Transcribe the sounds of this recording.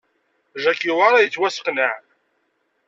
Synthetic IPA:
ʒækːiwaɾˤɑjət͡sːwæsə̥qnəʕ

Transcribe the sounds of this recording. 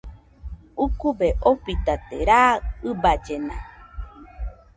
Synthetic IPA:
ukubeʔopit̪at̪eɾaɨbad͡ʒenã

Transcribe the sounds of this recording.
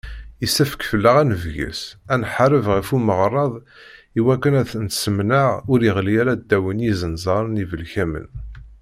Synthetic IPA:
isæfə̥kfəlːəʁænəvʝə̰sænħaɾəvʁifuməʁɾˤɑðˤ | iwækːənæθənt̪səmnəʁʊɾəʁlijæɾæd̪ːæwənjizənzˤɑɾˤnivəlçæmə̰n

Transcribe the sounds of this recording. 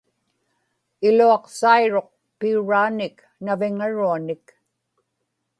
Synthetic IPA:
ɪluɑqsajɻoq̚ | piuɻaːnɪk | navɪŋaɻuanɪk

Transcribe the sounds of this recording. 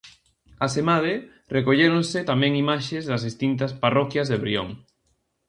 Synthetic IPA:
ɐsemað̞e | rekoʎeɾõŋsɪt̪amɛ̃ŋimaʃezðɐzðist̪int̪ɐsparɔkjɐzðeβɾio̰ŋ

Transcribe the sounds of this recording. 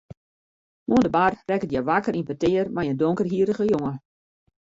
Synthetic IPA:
moəndəbarrɛkətjɛʋakəɾinpətɪərmɛjəndoŋkərɦiəɾəɣəjoŋə

